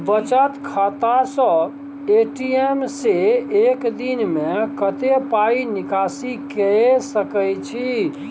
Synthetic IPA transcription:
bət͡ʃət̪kʰat̪asə̃ | eʈiemseekd̪inmekət̪epainikasikesəkəjt͡ʃʰi

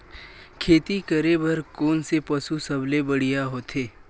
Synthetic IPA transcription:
kʰeːt̪ikəɾebʱɐɾkoːnsepɐsusɐblebɐɽ̤ijaɦoːt̪ʰeː

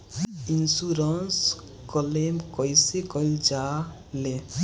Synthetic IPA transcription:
insuɾəns | kɔlemkɔjsekɔjld͡ʒa | le

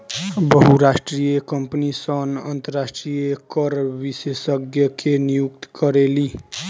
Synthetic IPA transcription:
bəɦuɾasʈɾijekəmpnisənənt̪əɾasʈɾijekʌɾbisesəɡjəkʰenijuk̚t̪kʌɾeli

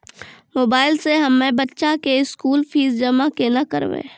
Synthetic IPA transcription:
moːbaːɪlseɦɐmːẽbɐtːʃakeɪskuːlfʰiːzd͡ʒɐmakenakə̰ɾʋḛː

